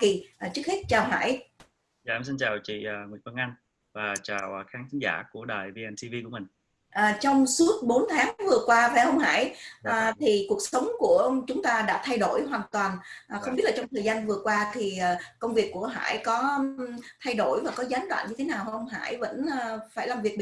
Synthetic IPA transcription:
ki˨˩ʔt͡ɕɨ˦˥k̚he˦˥t̚t͡ɕaː˨˩wɦa̰ː˧˥˨j | a̰ː˧˨˧msi˧nt͡ɕaː˨˩wt͡ɕḭ˧˨˩ŋwi˨˩ənfə˧nʔa˧ŋ | vaː˨˩t͡ɕaː˨˩wxaː˨˦nt̪ʰi˨˦ŋza̰ː˧˩ku˧˩əɗaː˨˩jvi˧ʔɛ˧nt̪ʰi˧vi˧ku˧˩əmï˨˩ŋ̟ | ʔaː˨˩t͡ɕɔ˧wŋ͡msu˦˥ət̚ɓo˨˦nt̪ʰaː˨˦ŋvɨ˨˩əkwaː˧va˨˩hə˧wŋ͡mha̰ː˧˥jʔəː˨˩t̪ʰi˨˩ku˨˩ək̚sə˨˦wŋ͡mku˧˩ət͡ɕʊ˨˦ŋ͡mt̪aː˧ɗa̰ː˧˥t̪ʰa˧jɗo˧˩jɦwaː˨˩ŋt̪waː˨˩nʔaː˨˩xə˧wŋ͡mɓi˦˥t̚laː˨t͡ɕɔ˧wŋ͡mt̪ʰəː˨˩jza˧nvɨ˨˩əkwaː˧t̪ʰi˨˩ʔəː˨˩kə˧wŋ͡mvi˨˩əkːu˧˩əɦa̰ː˧˥jkɔ˨˦t̪ʰa˧jɗo˧˩jvaː˨˩kɔ˨˦zaː˨˦nɗwa̰ː˧˨nɲɨ˧t̪ʰe˨˦naː˨˩whə˧wŋ͡mɦa̰ː˧˥˩jvə̰˧˥nː˨˩faː˧˩jlaː˨˩mvi˨˩ək̚ɓ

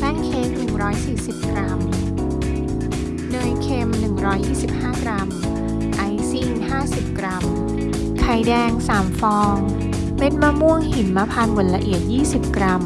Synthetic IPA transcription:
t̪aː˥˩ŋkʰeː˧˥m̚nɯ˨˩ŋɾɔː˦˥jsiː˨˩si˨˩p̚kɾa˧˥m | nɤː˧˩jkʰeː˧mnɯ˨˩ŋɾɔː˦˥jːiː˥˩si˨˩p̚haː˥˩kɾa˧m | ʔa˧jsiː˥˩nhaː˥˩si˨˩p̚kɾa˧m | kʰa˧˩jdɛː˧ŋsaː˩˦mfɔː˧ŋ | pe˧nmaː˧mu˥˩əŋhi˨˦nmaː˧pʰaː˧nbo˨˩˦nla˧ʔi˨˩ət̪̚jiː˥˩si˨˩p̚kɾa˧m

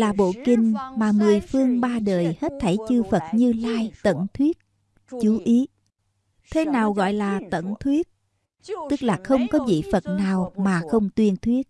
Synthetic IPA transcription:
laː˨˩ɓo̰˧˨kï˨˩ŋ̟maː˨˩mɨ˨˩əjfɨ˧əŋɓaː˧ɗəː˨˩jhe˦˥t̚t̪ʰə˧˩jt͡ɕɨ˧fə˨˩t̚ɲɨ˧laː˧jt̪ə̰˧˨nt̪ʰwi˦˥ət̚ | t͡ɕu˨˦ʔi˨˦ | t̪ʰe˨˦naː˨˩wɣɔ̰˧˨jlaː˨˩t̪ə̰˧˨nt̪ʰwi˦˥ət̚ | t̪ɨ˦˥k̚laː˨˩xə˧wŋ͡mkɔ˨˦vḭ˧˨fə˨˩t̚naː˨˩wmaː˨˩xə˧wŋ͡mt̪wi˧ənt̪ʰwi˦˥ət̚

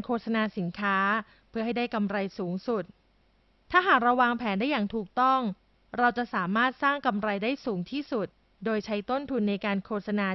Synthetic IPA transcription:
nkʰoː˧˩t̪̚sa˧naː˧si˩˦nkʰaː˦˥ | pʰɯ˥˩ɐɦa˥˩jdaː˥˩jka˧mɾa˧jsuː˩˦ŋsu˨˩t̪̚ʰː | aː˥˩ɦaː˨˩k̚ɾa˧wːaː˧ŋpʰɛː˩˦nda˥˩jaː˨˩ŋt̪ʰuː˨˩k̚t̪ɔ˥˩ŋ | ɾa˧wt͡ɕa˨˩ʔsaː˩˦maː˥˩t̪̚saː˥˩ŋka˧mɾa˧jdaː˥˩jsuː˩˦ŋt̪ʰiː˥˩su˨˩t̪̚ | doː˧jt͡ɕʰa˦˥jt̪o˥˩nt̪ʰu˧nːa˧jkaː˧nkʰoː˧˩t̪̚sa˧naː˧

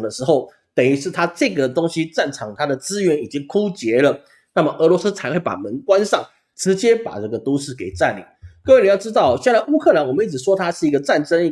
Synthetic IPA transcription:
ŋd̪ə˩ʂɻ̩˧˥xo˥˩ʊ | t̪ə˨˩y˧˥ʂɻ̩˥˩t̪ʰa˥ʈ͡ʂɤ˥˩ɡə˩t̪o˥ŋɕi˥ʈ͡ʂa˥˩nʈ͡ʂʰɑ˨˩ŋt̪ʰa˥d̪ə˨t͡sɹ̩˥ɥɛ˧˥ni˨˩t͡ɕi˦˥ŋkʰu˥t͡ɕjɛ˧˥lə˨ | na˥˩mə˩ʔɤ˧˥lwɔ˧˥s̩˥t͡sʰa˧˥ɪxwe˥˩ɪpa̰˨˩mə˧˦ŋkwa˦nʂɑ˥˩ŋ | ʈ͡ʂɻ̩˧˥t͡ɕjɛ˥pa̰˨˩ʈ͡ʂɤ˥˩ɡə˩t̪u˥ʂɻ̩˥˩ke˨˩ɪt͡sa˥˧nlḭ˨˩ŋkə˥˧we˥˩ni˨˩jɑ˥˩ʊʈ͡ʂɻ̩˥t̪ɑ˥˩ʊ˩ɕjɛ˥˧nt͡sa˥˩ɪu˥kʰɤ˥˩˨la˧˥nwɔ˨˩mə˨˦i˥˩ʈ͡ʂɻ̩˨˩ʂwɔ˥t̪ʰa˥ʂɻ̩˥˩i˥ɡə˧t͡sa˥˩nʈ͡ʂə˥ŋ˧

